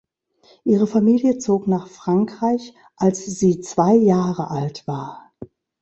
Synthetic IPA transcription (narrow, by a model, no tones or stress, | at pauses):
ʔiːʁ̞əfamiːljət͡soːknaːχfʁ̥aŋkʁ̥aɪç | ʔalsz̥iːt͡sv̥aɪjaːʁəʔaltv̥aːɐ